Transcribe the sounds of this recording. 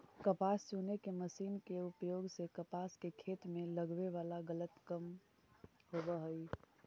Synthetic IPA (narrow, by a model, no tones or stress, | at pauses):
kəpaːst͡ʃunekeməsiːnkeupjoːɡsekəpaskekʰeːt̪mẽləɡʋeʋaːlaɡələt̪kəm | ɦobəɦəi